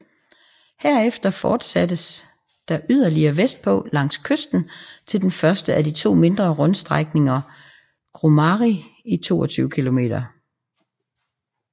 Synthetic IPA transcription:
hæɐ̰efd̥ɐfɒːd̥sæd̥əs | d̥ɑ̈ʔyð̰ˠɐliɐʋesd̥̚pʰɔ̽lɑ̈ŋ̰skʰøsd̥n̩t͡sʰe̝ld̥enfɶɐsd̥əʔædit͡sʰo̝̰ːme̝nd̥ʁɐʁɔ̽nsd̥ʁaɡ̥ne̝ŋɐ | ɡ̥ʁomɑʁiit͡sʰo̝̰ːɒt͡sʰyːʊəkʰilo̝me̝̰ːd̥ɐ

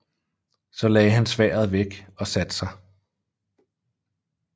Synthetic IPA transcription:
sɒ̽lɛːɦænsʋɛ̰ːɐð̞̩ˠʋeɡ̥ɒ̽sæd̥sɑ̈ɪ

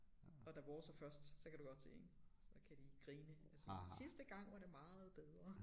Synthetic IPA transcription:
ɒ̽d̥æb̥ɒːsɒfɶɐsd̥sɒ̽kʰæd̥uɡ̥ɒ̽d̥̚t͡sʰeensɒkʰæd̥iɡ̥ʁiːnəælsəsisd̥əɡ̥ɑ̈ŋ̰ʋɑ̈ɾe̝mɑ̈ːð̩ˠb̥eð̞ˠʁɐ

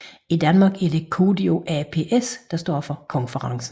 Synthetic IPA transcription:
id̥ænmɑ̈ːɡ̥æɐd̥e̝kʰoːdio̝ʔæpʰe̝ːʔesd̥ɑ̈sd̥ɒ̰ːfɒ̽kʰɒ̽nfəʁɑ̈ŋsn̩

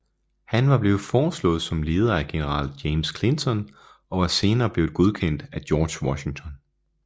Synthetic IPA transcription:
hænʋɑ̈b̥le̝ːð̩ˠfɒːslɔ̰̽ːð̞̩ˠsɒ̽mle̝ːð̞ˠɐæɡ̥e̝nəʁɑ̰̈ːljeɪmskʰle̝nt͡sʰɒ̽n | ɒ̽ʋɑ̈se̝ːnɐːb̥le̝ːʊð̩ˠɡ̥o̝ð̞ˠkʰen̰d̥æd̥jɒːd̥ɕwɒɕi̝ŋt͡sʰɒ̽n

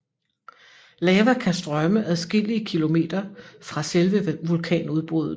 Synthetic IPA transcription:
lɛːʋækʰæsd̥ʁɶməʔæðˠsɡ̥e̝l̰iəkʰilo̝me̝̰ːd̥ɐfʁɑ̈selʋəʋulkʰɛ̰ːnuð̞ˠb̥o̝ðˠ

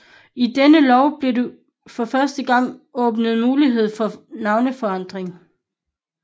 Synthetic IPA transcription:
id̥enəlɒʊb̥le̝du | fɒ̽fɶɐsd̥əɡ̥ɑ̈ŋ̰ɔ̽ːb̥nəð̞̩ˠmuːliɦe̝ð̞̰ˠfɒ̽nɑ̈ʊnəfɒ̽ɑ̈n̰d̥ʁeŋ

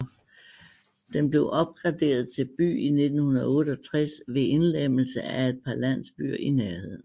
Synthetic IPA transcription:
d̥enb̥le̝ʊʔɒ̽b̥̚ɡ̥ʁɑ̈d̥e̝̰ːɐð̞̩ˠt͡sʰe̝lb̥y̰ːine̝d̥n̩hunɐðˠɔ̽ːɾ̥əɒt͡sʰʁasʋe̝e̝nlem̰l̩səæe̝d̥̚pʰɑ̈læn̰sb̥y̰ɐ̰ʔineɐhe̝ð̰ˠn̩

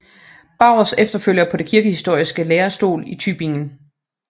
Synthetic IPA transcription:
b̥ɑ̈ʊ̰sefd̥ɐføl̰jɐpʰɒ̽de̝kʰiɐɡ̥əhisd̥o̝ɐ̰isɡ̥əleːɐsd̥o̝̰ːlit͡sʰyb̥e̝ŋn̩

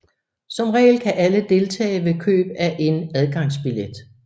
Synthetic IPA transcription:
sɒ̽mʁɛ̰ːlkʰæʔæləd̥e̝lt͡sʰɛ̰ːɪʋe̝kʰø̰ːb̥æʔe̝næð̞ˠɡ̥ɑ̈ŋ̰sb̥iled̥

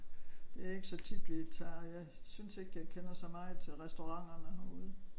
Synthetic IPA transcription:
d̥e̝æɐe̝ɡ̥əsɒ̽t͡sʰid̥ʋi̥t͡sʰɑ̰̈ːjɑ̈ɪsynse̝ɡ̥əjɑ̈ɪkʰenɐsɑmɑ̈ːð̩ˠt͡sʰe̝ʁɛsd̥oʁɑ̈ŋ̰ɐnəhuðˠ

